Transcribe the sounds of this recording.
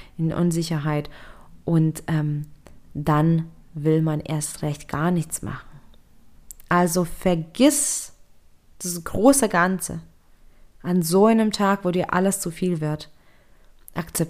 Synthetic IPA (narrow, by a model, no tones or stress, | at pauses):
ʔɪnʔʊ̰nzɪçɐɦaɪtʔʊntʔɛːmd̥anvɪlmanʔḛːɐstʁɛçtɡ̥a̰ːɐnɪçt͡sma̰χn̩ | ʔalzofɛɐɡɪs | d̥asɡ̥ʁoːsəɡant͡sə̰ | ʔanzoːaɪnəmtʰaːkvoːdiːɐʔa̰ləst͡sufiːlvɪɐt | ʔakt͡sɛp̚